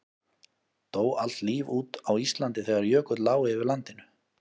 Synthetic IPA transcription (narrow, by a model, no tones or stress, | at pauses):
t̪oːwal̥t̪liːvuːt̪awist̪lant̪ɪθɛɣaɾjœːkʏt̪laːwɪɪvɪɾlant̪ɪnʏ